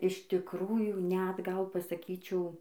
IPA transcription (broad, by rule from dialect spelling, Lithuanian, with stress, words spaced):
ɪʃ tʲɪkˈruːjuː nʲɛt ˈɡɐlˠ pɐsɐˈkʲiːt͡ʃʲɛʊ